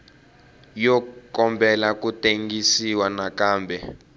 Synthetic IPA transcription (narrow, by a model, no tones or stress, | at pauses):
jɔkɔmbʱɛlakutʼeŋɡisiwanakaːmbʱɛ